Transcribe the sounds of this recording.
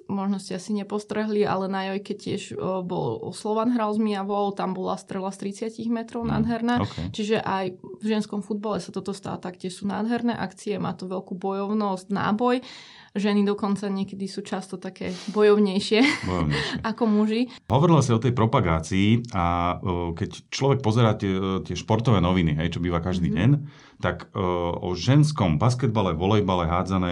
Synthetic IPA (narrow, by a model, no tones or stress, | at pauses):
mɔʒnɔscɛasiɲɛpɔst̪ɾɛɦliʔa̰lɛnajɔjkɛc̚cɪɛʒbɔ̰lslɔʋanɦɾalzmiaʋɔʊt̪ambɔla̰st̪ɾɛlast̪ɾit͡sɪaciɣmɛt̪ɾɔʊna̰ːd̪ɦɛɾnaːkʰɛt͡ʃiʒɛʔajvʒɛnskɔmfud̪̚balɛsat̪ɔt̪ɔst̪a̰ːt̪akcɪɛʃsuːna̰ːd̪ɦɛɾnɛːʔakt͡siɛma̰ːt̪ɔʋɛʎkuːbɔjɔʊnɔstna̰ːbɔj | ʒɛnid̪ɔkɔnt͡saɲɪɛkɛd̪isuːt͡ʃast̪ɔt̪akɛːbɔjɔʊɲɛjʃɪɛbɔjɔʊɲɛ̰ʃɛakɔmuʒi | ɦɔʋɔɾilasaɔt̪ɛjpɾɔpaɡaːt͡siːakɛct͡ʃlɔʋɛk̚pɔzɛɾaːtɛt̪ɪɛʃpɔɾt̪ɔʋɛːnɔʋiniɦɛjt͡ʃɔbiːʋakaʒd̪iːɟɛɲ | t̪akɔ̰ʒɛnskɔmbaskɛd̪̚balɛʋɔlɛjbalɛɦaːd͡zanɛː